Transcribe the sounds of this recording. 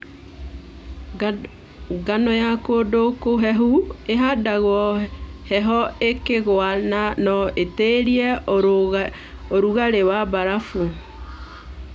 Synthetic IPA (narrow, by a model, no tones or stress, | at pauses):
ɡanɔjakodokoɦɛɦueɦadaɣwɔhɛɦɔekeɣwananɔeteɾiɛ | oɾuɣaɾewabaɾafu